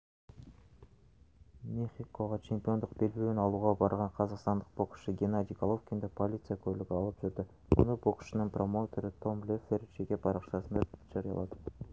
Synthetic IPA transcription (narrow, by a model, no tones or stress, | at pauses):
mʲeχʲiko̞ʁɑt͡ʃʰemʲpʲo̞nd̪ʊq̚be̞lbenɑlˠuːʁɑbɑɾʁɑɴqʰɑzɑqst̪ɑnd̪ə̥q̚boqʃəɡʲenad̪ʲijkolˠofkʲind̪epolʲit̪sɨjakolʲːeɡʲiɑlˠɯp̚ʒyɾd̪ʏ | mṵnubokʃɯnɯnpro̞mot̪ʰoɾɪt̪ʰo̞mlʲefʲerd͡ʒekʲebɑɾɑqʃɑsənd̪ed͡ʒɑɾɨjɑ̰lˠɑd̪